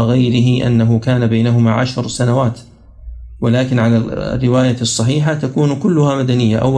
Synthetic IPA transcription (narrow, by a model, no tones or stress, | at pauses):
ɣajɾɪɦɪʔa̰nːaɦʊkaːnabajnaɦʊmaːʕa̰ʃɾsanawaːt̪ | wɪlaːkɪnʕala̰rːɪwaːjasˤːɑħiːħat̪akuːnkʊlːʊhaːmad̪anɪjːaʔa̰wː